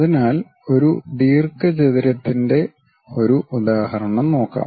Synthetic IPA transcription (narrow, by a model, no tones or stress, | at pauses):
ɐðinaːl | o̞ɾud̪iːrkɐd͡ʑeðiɾɐt̪ːinde̞ | o̞ɾuʔud̪aːhɐɾɐɳɐmno̞ːkːa̰ː